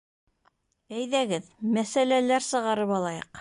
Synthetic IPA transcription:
æjðæɡɘðmæsælælæɾsɤ̆ʁɑɾɤpɑlˠɑjɤ̰q

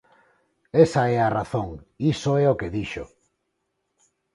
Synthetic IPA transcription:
esaɛaraθoŋisoɛokeðiʃo̰

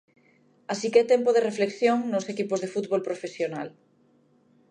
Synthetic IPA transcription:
asikɛt̪ɛmpoðerefleksjoŋnosekipozðefut̪βolpɾofesjona̰l

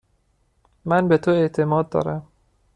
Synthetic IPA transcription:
mænbet̪ʰoeʔt̪ʰe̞mɒːd̪̚ːɒ̰ːɾæm

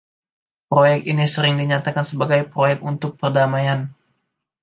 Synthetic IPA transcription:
pɾojɛk̚t̪inisəɾɪŋdiɲat̪akansəbaɡajpɾojɛk̚t̪unt̪ʊk̚pərdamajan

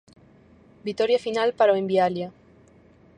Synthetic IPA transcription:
bit̪oɾjafinalpaɾoembialja

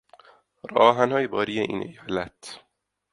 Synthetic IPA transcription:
rɒːɦænhɒːjebɒːɾijeʔḭːnʔḛjɒːlæt̪ʰ

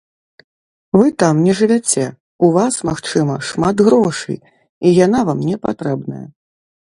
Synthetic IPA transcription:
vɨt̪amnʲɛʐɨvʲat͡sʲɛ | uvasmaxt͡ʂɨmɐʂmat̪ɣɾɔʂɨ̰j | ijanavamnʲɛpa̰t̪ɾɛbnɐ̰jɐ̰

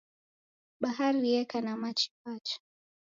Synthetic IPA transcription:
ɓaɦaɾiɛkanamat͡ʃi̥pat͡ʃḁ

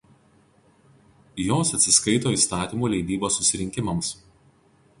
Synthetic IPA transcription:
joːsɐt̪ʲsʲɪskɐɪt̪oːiːˑst̪ɑːt̪ʲiːmuːlʲɛɪd̪ʲiːboːsːʊsʲɪɾʲɪŋʲkʲɪmɐms

